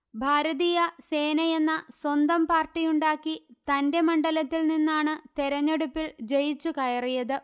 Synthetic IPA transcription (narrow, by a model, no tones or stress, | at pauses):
bʱaːɾɐðiːjɐse̞ːnɐje̞nːɐswɐnd̪ɐmpaːrʈːijuɳɖaːkːit̪ɐnde̞mɐɳɖɐlɐt̪ːilninːaːɳɨt̪eɾɐɲːeɽupːild͡ʑe̞jit͡ɕːukɐjɐrijɐðɨ